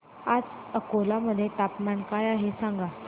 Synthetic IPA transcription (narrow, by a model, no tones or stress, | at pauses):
ad͡zəkolaməd̪ʱːjet̪apmankajaɦesãŋɡa